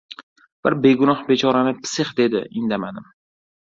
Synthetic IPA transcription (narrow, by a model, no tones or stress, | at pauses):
b̥ɪɾbe̞ɡʊnɒhbe̞t͡ʃʰɒɾanɪpʰɪ̥sɪχd̪e̞d̪ɪ̰ɪnd̪amad̪ɪm